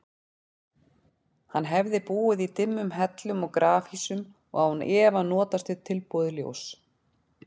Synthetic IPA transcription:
hanːɦɛvðɪpuːɪðit̪ɪmːʏmɦɛt̪lʏmɔɣkɾaːfisʏm | ɔ̰ɣahunɛːvanːɔːt̪ast̪ʏt̪ʰɪlpɔðʏljo̰ws

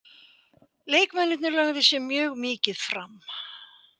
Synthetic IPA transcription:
leːjkmɛnɪt̪nɪɾlaɣðɪsjɛmjœːɣmɪːcɪð̥fɾam

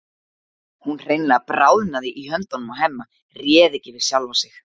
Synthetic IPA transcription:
hunr̥eːjnlɪapɾaːwðnaðɪʔiɦœnt̪ɔnʏmaɦemːa | rjɛːðɪcɪvɪð̥sjawlvasɪx

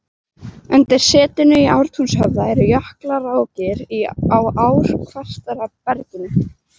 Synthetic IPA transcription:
ʏnt̪ɪɾ̥sɛːt̪ɪnʏiʔawɾ̥t̪ʰunshœvðaɛɾjœhklaraːwcɪɾiawaːwɾ̥kʰvast̪aɾapɛɾcɪnʏ

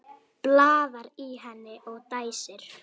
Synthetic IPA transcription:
plaːðaɾiɦanːɪʔɔɣt̪aːjsɪɾ̥

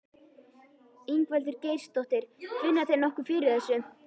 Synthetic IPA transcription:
iŋkvɛlt̪ʏɾcejɾ̥st̪ɔht̪ɪɾ̥vɪnːaθejnɔhkʏfɪːɾɪɾɛsʏ

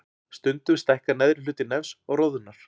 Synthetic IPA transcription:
st̪ʏnt̪ʏmst̪ɛhkanɛðɾɪlʏːt̪ɪnɛfsɔɣroːwðʏnːaɾ̥

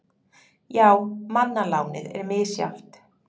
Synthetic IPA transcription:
jaːwmanːalaːwnɪ̰ðɛ̰ɾmɪːsja̰ft̪

